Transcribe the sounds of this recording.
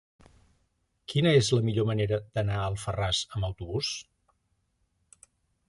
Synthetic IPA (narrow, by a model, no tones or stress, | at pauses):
kinəezləmiʎoməneɾəd̪̥ənaəlˠfərazəməwt̪uβus